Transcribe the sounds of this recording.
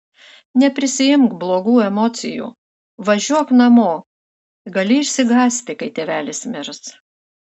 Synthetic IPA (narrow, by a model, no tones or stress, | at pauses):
nʲɛpʲɾʲɪsʲɪjɪmkblˠoːɡuːɛmɔt̪sʲɪ̰jṵː | ʋɐʒʲuɔknɐmoː | ɡɐlʲɪɪʃʲsʲɪɡɑːsʲt̪ʲɪkɐɪt̪ʲeːʋʲæːlʲɪsmʲɪɾs